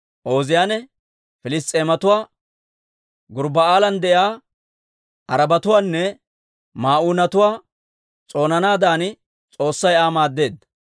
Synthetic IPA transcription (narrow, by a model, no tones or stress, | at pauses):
ʔo̞ːzɪjaːnɛ | fɪlɪs̬t̪ʼːeːmɐt̪ʊwaː | ɡʊɾbɐaːlɐnd̪ɛjaː | ʔɐɾɐbɐt̪ʊwaːnːɛ | maːʔuːnɐt̪ʊwaː | t͡sʼo̞ːnɐnaːd̪aːn | t͡sʼo̞ːsːɐjaːmaːd̪ːe̞ːd̪ɐ